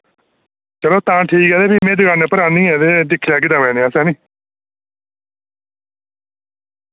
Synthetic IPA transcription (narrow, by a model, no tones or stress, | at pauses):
t͡ʃəloːt̪ãːʈʰiːkɦɛːd̪eːbiːmɛ̃ːd̪ʊɡaːnẽːpəɾãːnĩːɛːd̪eːd̪ɪkʰːlɛːɡeːd̪ãːmɛ̃ːneːãːsɛːniː